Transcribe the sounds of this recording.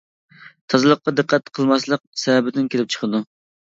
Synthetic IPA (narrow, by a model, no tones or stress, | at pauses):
t̪ʰɑzɨlˠəqːɑd̪ɨqʰːæt̪qʰəlˠmɑslˠəq̚sɛɛbɪd̪ɪnkʲʰelɪp̚t͡ʃʰə̥χʰəd̪u